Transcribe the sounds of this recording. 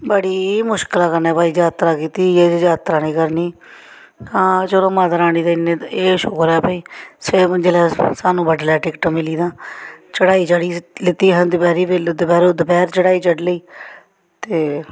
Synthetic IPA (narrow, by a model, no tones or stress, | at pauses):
bəɽiːmʊʃkəlãːkəɾnɛːpaːiːd͡ʒaːt̪ɾaːkiːt̪iːeːd͡ʒaːt̪ɾaːnĩːkəɾniː | ãːt͡ʃoɾõːmãːt̪əɾaːniːd̪aɪnːẽːeːʃʊkɾɛːpaːiːsed͡ʒeːlɛːsaːnũːbəʈlɛːʈɪkʈəmɪliːd̪ãːt͡ʃəɽaːiːt͡ʃəɽiːlɪt̪iːɦənd̪ɪpɛːɾiːpeld̪əpɛːɾoːd̪əpɛːɾt͡ʃəɽaːiːt͡ʃəɖləiː | t̪eː